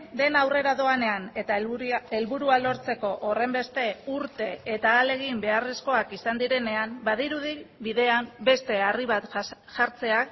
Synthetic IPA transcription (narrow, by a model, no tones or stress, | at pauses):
d̪e̞nawre̞ɾaðo̞ane̞anet̪elβuɾualo̞ɾt͡se̞ko̞ʔore̞mbe̞st̪e̞uɾt̪e̞et̪aːle̞ɣ̞imbe̞are̞sko̞akisand̪iɾe̞ne̞ambaðiɾuðiβiðe̞ambe̞st̪e̞ariβat̪ | ʝaɾt͡se̞ak